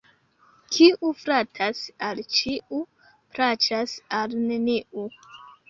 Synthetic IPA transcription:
kʰiʔufɾatʰasalt͡ʃiu | pɾat͡ʃasalneniʔu

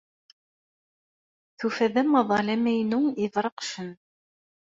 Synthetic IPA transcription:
θufæðæmɑðˤɑlæmæjnʊŋiðɾɑqʃɘn

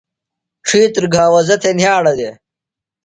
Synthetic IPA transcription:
ʈ͡ʂʰiːt̪ɾɡʱãːwɐzɐt̪ʰenjaːɽɐd̪eː

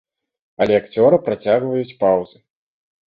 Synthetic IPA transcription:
ɐlʲɛakt͡sʲɔɾɨpɾat͡sʲaɣvɐjut͡sʲpawz̥ɨ

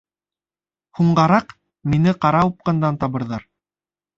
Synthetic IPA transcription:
huɴɢɑɾɑq | minɘqɑɾɑup̚qɤ̆nd̪ɑnt̪ɑβɤ̆ɾðɑɾ

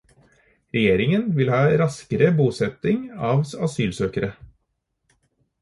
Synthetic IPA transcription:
ɾɛjeːɾɪŋənʋɪlhɑːɾɑskəɾəbuːsɛt̪ɪŋɑːʋsɑsyːlsøːkəɾə

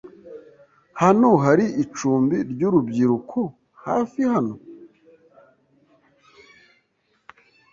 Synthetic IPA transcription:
hanoɦaɾiʔit͡ʃuːmbiɾɟuɾubɟiɾukʰo | ha̰ːfihano̞

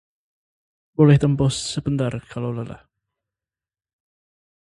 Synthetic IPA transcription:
bolɛht̪əmpɔsːəbənd̪arkʰalawlala̰h

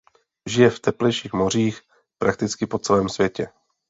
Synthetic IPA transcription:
ʒɪjɛft̪ɛplɛjʃiːxmo̞r̝iːx | pɾʔak̚t̪ɪt͡skɪpo̞t͡sɛlɛːmsvʲjɛcɛ

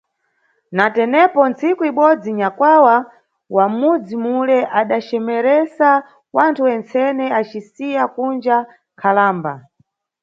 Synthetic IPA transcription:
natɛnɛpɔnt͡sikuiɓɔd͡ziɲakwawa | wamud͡zimulɛʔaɗat͡ʃɛmɛɾɛsa | wantʰuwɛnt͡sɛnɛat͡ʃisijakund͡ʒa | kʰalaːmba̰

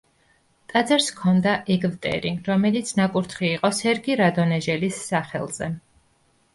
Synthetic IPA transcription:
t̪ʼad̪zɛɾskʰɔnd̪aʔɛɡvt̪ʼɛ̰ɾiɾɔmɛlit̪sʰnakʼuɾt̪ʰχiːqʼɔsɛɾɡiɾad̪ɔnɛʒɛlisːaχɛ̰lˠz̥ɛ

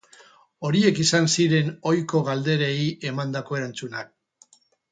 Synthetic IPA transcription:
o̞ɾie̞kisansiɾe̞no̞jko̞ɣald̪e̞ɾe̞ie̞mand̪ako̞e̞ɾant͡sunak̚

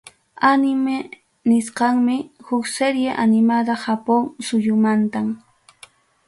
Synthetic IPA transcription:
anɪme | nɪsqɑŋmɪhʊkseɾjeʔanɪmad̪ahapoŋsʊjʊmant̪am

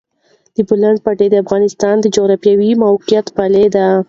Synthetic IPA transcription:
d̪̥əbʊlaɳɖ̚paʈed̪əafɣɑnɪst̪ɑnd̪əd͡ʒoɣɾafjawimawqijat̪paled̪a

